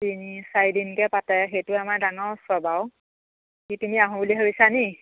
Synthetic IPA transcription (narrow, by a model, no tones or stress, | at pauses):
tinisajdinkɛpatɛxejtʊamaɹdaŋɔɹsɔbaw | kitumiaɦʊ̃buliɦobisani